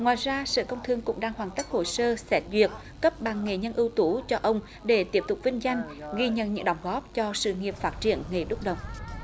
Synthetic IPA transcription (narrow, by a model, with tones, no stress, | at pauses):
ŋwaː˨˩jzaː˧sɨ̰ː˧˨kə˧wŋ͡mt̪ʰɨ˧əŋkʊ̰˧˥ŋ͡mɗaː˧ŋhwaː˨˩nt̪ä˦˥k̟̚ho̰˧˩səː˧sɛ˦˥t̚zwi˨˩ək̚ | kə˦˥p̚ɓa˨˩ŋːe˨˩ɲə˧nʔɨ˧wt̪u˧˦t͡ɕɔ˧ʔə˧wŋ͡m | ɗe˧˩t̪i˦˥əp̚t̪ʊ˨˩k͡p̚vï˧ŋ̟za˧jŋ̟ɣi˧ɲə̰˧˨nɲɨ̰˧˥ŋɗə˨˧˩wŋ͡mɣɔ˦˥p̚t͡ɕɔ˧sɨ̰˧˨ŋi˨˩əp̚faː˦˥t̚t͡ɕḭ˧˩ənŋe˨˩ɗʊ˦˥k͡p̚ɗə˨˩wŋ͡m